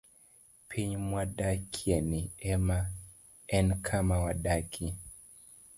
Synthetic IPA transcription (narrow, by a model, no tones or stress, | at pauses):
pʰiɲmwadakʰiɛniɛma | ɛnkʰamawadakʰi